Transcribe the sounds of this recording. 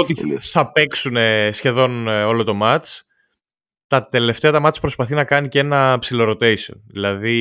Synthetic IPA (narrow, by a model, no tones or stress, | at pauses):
ot̪iθɐpe̞ksune̞sçe̞ðo̞no̞lo̞t̪o̞mɐt͡s | t̪ɐt̪e̞le̞ft̪e̞ɐt̪ɐmɐt͡spɾo̞spɐθinɐkɐnice̞nɐpsilo̞ɾo̞t̪e̞jsio̰nðilɐði